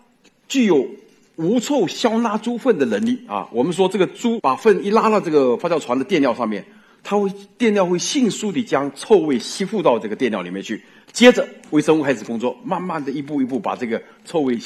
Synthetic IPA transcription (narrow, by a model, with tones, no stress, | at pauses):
t͡ɕy˥˩jo˨˩ʊ | u˧˥t͡sʰo˥˩ʊɕjɑ˥ʊna˥ʈ͡ʂu˥fə˥˩nd̪ə˩nə˧˥nli˥˩ɐ̰˧wʔɔ˨˩mə˦nʂ̬wɔ˥ʈ͡ʂɤ˥˩ɡə˩ʈ͡ʂu˥pa˨˩fə˥˩ni˥˩la˥la˥˧ʈ͡ʂɤ˥˩ɡə˩fa˥t͡ɕjɑ˥˩ʈ͡ʂʰwa˧˥nd̪ə˧jɛ˥˧nljʊʂɑ˥˧ŋmjɛ̰˥˩n | t̪ʰa˥xwe˥˧ɪt̪jɛ˥˧nljɑ˥˧xwe˥˧ɪɕi˥˩ŋsu˥t̪i˨˩t͡ɕjɑ˥ŋt͡sʰo˥˧ʊwe˥˩ɪɕi˥fu˥˧t̪ɑ˥˧ʊʈ͡ʂɤ˥˩ɡə˩t̪jɛ˥˧nljɑ˥˩li˨˩mjɛ˥˧nt͡ɕʰy˥˩ | t͡ɕjɛ˥ʈ͡ʂə˨we˥˩ɪʂə˥ŋu˥˩kʰa˥ɪʂɹ̩˨˩kʊ˥ŋt͡swɔ˥˩ma˥˧nma˥˩nd̪ə˩i˧˥p̬u˥˧i˧˥p̬u˥˩pa̰˨˩ʈ͡ʂɤ˥˩ɡə˩ | t͡sʰo˥˧ʊwe˥˧ɪ